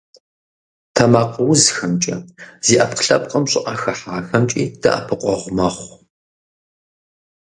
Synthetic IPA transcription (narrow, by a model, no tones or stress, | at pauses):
tʰɐmaːqəwzxɐmt͡ʃʼɐ̰z̥iːʔɐpqɬɐpʼqʼɐmɕʼɪʔaxɐħaːxɐmt͡ʃʼḭːd̥ɐ̰ʔa̰pʰɨqʷʼɔʁʷmɐχʷ